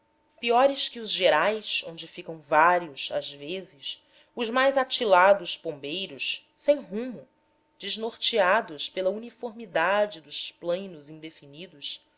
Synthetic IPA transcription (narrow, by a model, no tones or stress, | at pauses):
piɔɾɪskɪʊzʒeɾajsõnd͡ʒɪfikɐ̃w̃vaɾiʊsazvezɪs | ʊzmajzat͡ʃilad̪ʊspõmbejɾʊssẽj̃ɦũmʊ | d͡ʒiznoɾt͡ʃiad̪ʊspelɐunifoɾmid̪ad͡ʒɪd̪ʊsplɐ̃jnʊzĩd̪efinid̪ʊs